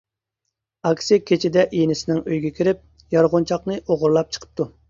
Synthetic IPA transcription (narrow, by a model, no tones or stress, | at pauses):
ɑkʲsɪkʲʰet͡ʃʰɪd̪ɛʔinɪsɪnɪŋøjɡʲɛkʲʰiɾɪp̚ | jɑɾʁʊnt͡ʃʰɑqnɨʔoʁʊɾlˠɑp̚t͡ʃʰə̥qʰə̥p̚t̪ʰu